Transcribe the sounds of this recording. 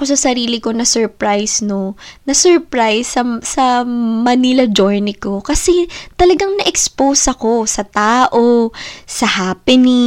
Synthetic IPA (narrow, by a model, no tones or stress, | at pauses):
kosɐsɐɾiːlɪko̞nɐsɛɹpɾajsnonɐsɛɹpɹajsɐsɐmɐnilɐd͡ʒojnɪko̞kɐsɛt̪ɐlɐɡaŋnɐʔɛkspowsɐko̞sɐt̪aːʔo̞sɐhaːpɪni